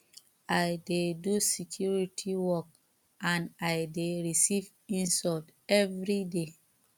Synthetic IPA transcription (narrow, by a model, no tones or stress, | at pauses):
ajdedusekʰjuɹitʰiwɔk̚ | ãnajdeɹisiv | ĩnsɔltɛvɹide